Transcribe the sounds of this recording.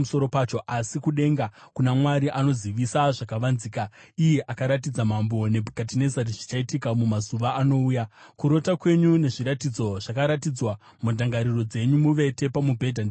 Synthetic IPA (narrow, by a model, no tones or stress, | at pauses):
muso̞ɾo̞paːt͡ʃo̞ʔasikuɗe̞ŋɡakunamwaɾiʔano̞ziʋisaʐakaʋanziːkaije̞ʔakaɾat̬id͡zamambo̞ne̞bʱukat̬ine̞zaɾiʐi̥t͡ʃaitikamumazuʋaʔːno̞uːjakuɾo̞takwe̞ɲune̞ʐiɾatid͡zo̞ʐ̥akaɾatid͡zwa | mundʱaŋɡaɾiro̞d͡ze̞ɲumuʋe̞te̞pamubʱe̞dʱan